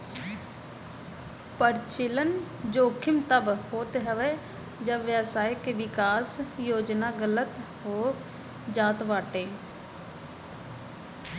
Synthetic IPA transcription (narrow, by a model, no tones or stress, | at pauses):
pəɾt͡ʃɪlən | d͡ʒoːkʰɪmt̪əbhoːt̪eɦəʋeː | d͡ʒəbʋjəsaːjəkːeʋɪkaːsjoːd͡ʒnaːɡələt̪ | ɦoː | d͡ʒaːt̪ʋaːʈeː